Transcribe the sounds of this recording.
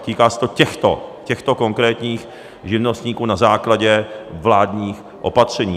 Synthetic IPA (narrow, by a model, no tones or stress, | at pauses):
t̪iːkaːsɛ̥t̪o̞cɛxt̪o̰cɛxt̪o̞ko̞ŋkɾɛːt̪ɲiːx | ʒɪvno̞st̪ɲiːkuːnazaːklaɟɛvlaːd̪ɲiːx | ʔo̞̰pat̪r̝̥ɛɲiː